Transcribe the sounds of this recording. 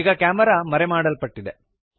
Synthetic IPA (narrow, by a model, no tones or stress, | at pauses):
ɡɐkaːmɐɾaːmɐɾemaːɽɐlpɐʈːid̪e